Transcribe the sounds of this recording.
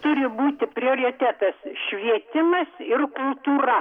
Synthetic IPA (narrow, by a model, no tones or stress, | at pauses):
t̪ʊɾʲɪbuːt̪ʲɪpʲɾʲɪoːɾʲɪt̪ʲæt̪ɐsʃʲʋʲiɛt̪ʲɪmɐsɪrkʊlˠt̪uːɾɐ